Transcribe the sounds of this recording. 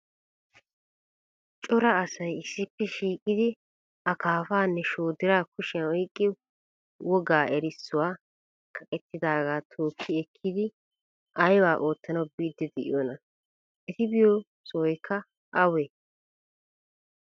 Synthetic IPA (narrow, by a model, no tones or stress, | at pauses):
t͡ʃʼɔɾɐːsɐjɪsːɪpːɛʃiːkʼɪd̪ɪ | ʔɐkʰaːfaːnːɛʃoːd̪ɪɾaːkʊʃɪɐwɔjkʼːɪ | wɔɡaːʔɛɾɪsːʊwaː | kʰɐkʼɛt̪ːɪd̪aːɡaːt̪ʰoːkʰːɪɛkʰːɪd̪ɪ | ʔɐjwaːʔo̞ːt̪ːɐnɐwbiːd̪ːɛd̪ɛʔɪ̰joːnɐ | ʔɛt̪ɪbɪjo | sɔɔjkʰːɐ | ʔɐwe